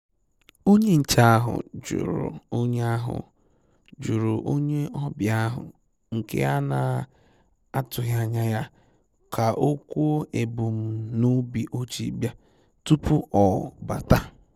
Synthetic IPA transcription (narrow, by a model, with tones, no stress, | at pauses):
o˦ɲe˦n̩˨t͡ʃa˦a˦ɦʊ̰˨d͡ʒṵ˨ɾʊ̰˨o˦ɲe˦a˦ɦʊ̰˨ | d͡ʒu˨ɾʊ˨ʔo˦ɲe˦ɔ˦bja˦ɦʊ̰˨ | ŋ̩˨kḛ˦a˦na˨ | a˦tʊ˨ɦja˦˨ɲa˦ja˦ | kʰa˨ʔo˦kʷu˦o˦ʔe˨bu˨m̩˦nu˦bi˨ʔo˦t͡ʃḭ˨˦bja˦ | tu˦pʊ˦ʔɔ˨ba˨ta˦